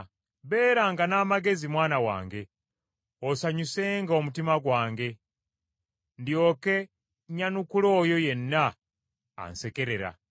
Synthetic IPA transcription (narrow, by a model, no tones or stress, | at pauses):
βe̞ːɾaŋɡanaːmaɡe̞zimwaːnawa̰ːŋɡe̞ | osaɲuse̞ːŋɡao̞mutimaɡwaːŋɡe̞ | ndjo̞ːke̞ | ɲanukulo̞ːjo̞je̞nːa̰ː | nse̞ke̞ɾe̞ɾa̰